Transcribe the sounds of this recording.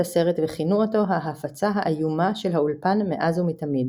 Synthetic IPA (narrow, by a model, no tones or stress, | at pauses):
ase̞ʁetveχinuoto̞ɦaɦafat͡saɦaʔajumaʃe̞lɦaulpanmeʔazumitamid̪